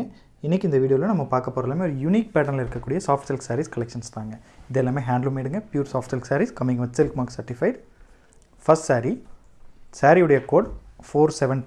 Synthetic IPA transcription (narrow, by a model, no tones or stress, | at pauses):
ɪnːɪkːɪnd̪ɐʋiːɽɪjoːlɐ̃nɐmːɐpaːɾkɐpːoːɾɐlaːmeːɔɾɯjʊniːk̚pɛːʈːɐɾnlɪɾɯkːɐkːuːɽɪjɐsaːfʈsɪlksaːɾiskɐlɛkʂɐnst̪aːŋɡɐɪðɛlːaːmeːɦaːɳɖlmeːɽɯŋɡɐpjuːɾsaːfʈsɪlksaːɾiskɐmːɪ̃ŋɡɐʋɐsɪlkmaːksɐɾʈɪfɐɪɖ | fɐsʈsaːɾi | saːɾiɯɽɐjɐkoːɽfoːɾsɛʋɛn